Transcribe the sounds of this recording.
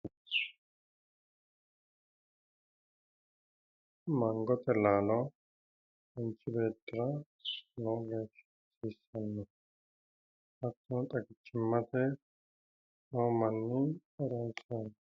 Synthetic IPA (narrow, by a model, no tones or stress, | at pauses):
mɐŋɡɔt̪ʼɛlaːlɔ | ɔnt͡ʃʼːɪbe̞ːt̪ːɪɾɐ | noːɡeːʃ | siːsːɐnːɔ | ɐt̪ːɔnt̪ʼɐkɪt͡ʃːɪmːɐt̪ɛ | noːmɐnːɪɛɾɐnsen